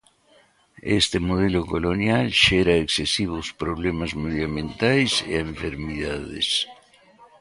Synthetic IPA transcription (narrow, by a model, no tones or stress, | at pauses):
ḛst̪emoð̞elokolonjalʃeɾaeksesiβospɾoβlemazmeðjamẽnt̪ajsḛẽɱfeɾmiðaðḛs